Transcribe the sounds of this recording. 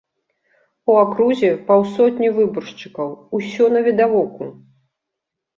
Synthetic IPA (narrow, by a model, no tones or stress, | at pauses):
uakɾuzʲɛpawsɔt̪ʲnʲivɨbɔrʂt͡ʂɨkɐwusʲɔnɐvʲid̪avɔku